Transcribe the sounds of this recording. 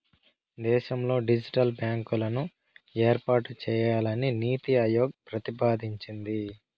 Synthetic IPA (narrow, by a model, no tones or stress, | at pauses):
d̪ɛːʃɐmlo̞ːɖid͡ʒiʈɐlbjaːŋkulɐnu | eːɾpaːʈut͡ʃɛːjaːlɐniniːt̪iɐjoːɡ̚pɾɐt̪ipaːd̪ʱiɲt͡ʃind̪i